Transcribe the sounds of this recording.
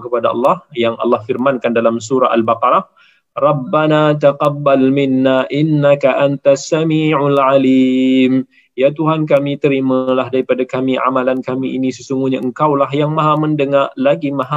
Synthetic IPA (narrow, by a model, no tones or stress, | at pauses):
kəpadaɑ̰lːɑhjaŋɑ̰lːɑhfirmankandalamsuɾaalbaqɑɾa | rˤɑbːanat̪əqɑbːalmɪnːaʔɪnːakaʔant̪asːamiːʕlʕaliːm | jat̪uɦank̬amit̪əɾiməlaɦdaɾipadakamiʔa̰malankamiʔḭnisəsuŋɡuɲaəŋkawlaɦjaŋmaɦaməndəŋarlaɡimaɦa